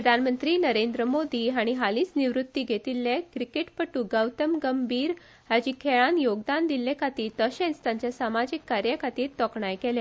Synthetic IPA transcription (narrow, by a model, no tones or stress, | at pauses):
ɾəd̪ʱanmənt̪ɾiːnəɾẽnd̪ɾəmod̪iːɦaɽ̃iɦalĩːt͡sniʋɾut̪ːiːɡʱet̪ilːekɾikeʈpəʈːuːɡəwt̪əmɡəmbʱiːɾ | had͡ʑiːkʰeɭãnjoɡd̪and̪ilːekʰat̪iːɾt̪əɕẽnt͡st̪jãɲt͡ɕjasamad͡ʑikːaɾjakʰat̪iːɾt̪ɔkɳajkɛljã